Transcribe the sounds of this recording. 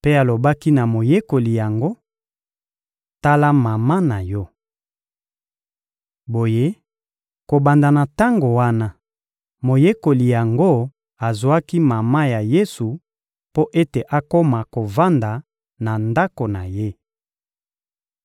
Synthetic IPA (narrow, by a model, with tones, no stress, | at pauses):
pe˦a˨lo˨ba˦ki˦na˨mo˨je˦ko˨li˨ja˨ŋɡo˦ | ta˦la˦ma˨ma˦na˨jɔ˦ | bo˨je˦ | ko˨ba˨nda˨na˨ta˦ŋɡo˨wa˦na˦ | mo˨je˦ko˨li˨ja˨ŋɡo˦ | a˨zu˨a˦ki˦ma˨ma˦ja˨je˦su˨ | po˦ʔe˦te˨ʔa˨ko˦ma˨ko˨va˦nda˨ | na˨nda˦ko˨na˨je˦